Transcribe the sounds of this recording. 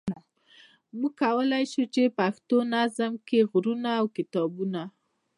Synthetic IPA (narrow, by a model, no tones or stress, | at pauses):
muɡ̚kawəlajʃut͡ʃepaxt̪onazəmkeɣɾunaːwkɪt̪ɑbuna